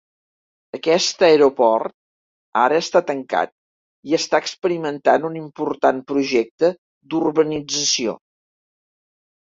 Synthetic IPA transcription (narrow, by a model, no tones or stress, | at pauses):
əkɛst̪əeɾupɔrt̪̚ | a̰ɾəːst̪at̪əŋka̰t̪̚ | iəst̪aəkspəɾimənt̪anunimpuɾt̪anpɾuʒɛk̚t̪ə | d̪urβənid͡zəsio̰